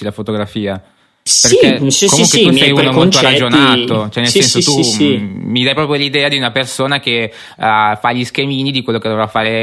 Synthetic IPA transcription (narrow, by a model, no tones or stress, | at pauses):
ilafot̪oɡɾafiːa | perkekːomuŋkwet̪usɛjunomolt̪orad͡ʒonaːt̪ot͡ʃoɛnːelssɛnsot̪u | mid̪ajpɾɔpjolid̪ɛːad̪iunapersoːnak̟e | faʎiskemiːnid̪ikwelːoked̪ovɾafːaːɾe